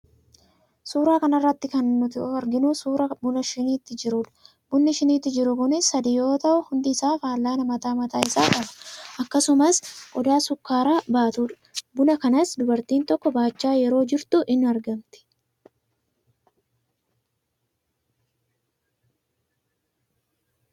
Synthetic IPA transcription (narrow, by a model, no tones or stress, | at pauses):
suːɾaːkɐnɐrːɐt̪ːɪkɐnːʊt̪ɪɔɐɾɡɪnuːsuːɾɐbʊnɐʃɪniːt̪ːɪd͡ʒɪɾʊːᶑɐ̥ | bʊnːɪʃɪniːt̪ːɪd͡ʒɪɾʊkʊnɪsːɐd̪ijo̞ːt̪ɐʔʊhʊnd̪ɪːsaːfaːlːaːnɐmɐt̪aːmɐt̪aːɪsaːk̪ɐbɐ̥ʔɐkːɐsʊmɐsʔɔd̪aːsʊkːaːɾaːbaːt̪uːᶑɐ̥bʊnɐkɐnɐsd̪ʊbɐɾt̪iːnt̪ɔkːɔbaːt͡ʃːaːjɛɾo̞ːd͡ʒɪɾt̪ʊʔɪnːʊɐɾɡɐmt̪ɪ̥